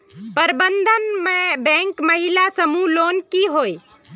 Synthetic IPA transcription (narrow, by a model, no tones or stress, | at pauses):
pəɾbənd̪ʱənmebɛ̃ŋkməɦilasəmuloːnkiɦoi